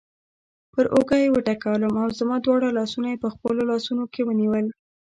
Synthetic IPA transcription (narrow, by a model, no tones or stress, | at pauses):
pəɾʔoɡajewəʈakawləmawzamɑd̪wɑɽalɑsunajepəxpəlolɑsunokewəniwəl